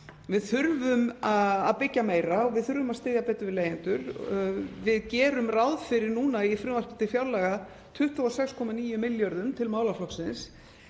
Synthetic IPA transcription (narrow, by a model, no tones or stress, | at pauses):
vɪðθʏɾvʏmaa̰ðpɪcːameːjɾaɔɣvɪðθʏɾvʏmaðst̪ɪːðjapɛːt̪ʏvɪðleːjɪnt̪ʏɾ | vɪðcɛːɾʏmrawðfɪɾɪɾnuːnaifɾʏːmar̥pɪt̪ɪfjawlɛɣa | t̪ʰʏht̪vɔɔsɛkskʰɔmaniːjʏmɪljœɾðʏmt̪ʰɪlmaːwlaflɔksɪns